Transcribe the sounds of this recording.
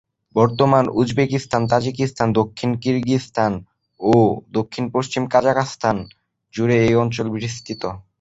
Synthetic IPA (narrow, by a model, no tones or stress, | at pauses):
bɔɾt̪omanud͡ʑbekist̪ʰant̪ad͡ʑikist̪ʰand̪okʰːinkiɾɡist̪ʰan | od̪okʰːinpoʃt͡ɕimkad͡ʑakast̪ʰan | d͡ʑuɾeejɔnt͡ɕolbɾist̪ʰit̪o